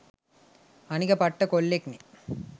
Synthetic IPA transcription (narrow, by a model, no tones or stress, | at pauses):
ɐnikɐpɐʈːɐkolːekni